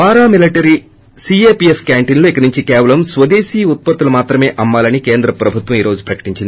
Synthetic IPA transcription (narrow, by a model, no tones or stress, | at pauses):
paːɾaːmiliʈɐɾi | siːeːpieskjaːɳʈinloːikɐnuɲt͡ʃikɛːʋɐlɐmsʋɐd̪eːsiːut̪̚pɐt̪ːulɐmaːt̪ɾɐme̞ːʔɐmːaːlɐnikeːnd̪ɾɐpɾɐbʱut̪ʋɐmiːɾo̞ːd͡ʒupɾɐkɐ̥ʈiɲt͡ʃind̪i